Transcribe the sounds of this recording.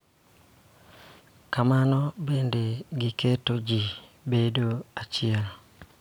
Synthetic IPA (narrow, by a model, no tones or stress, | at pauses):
kamanɔbendeɡɪketod͡ʒibedoat͡ʃɪɛl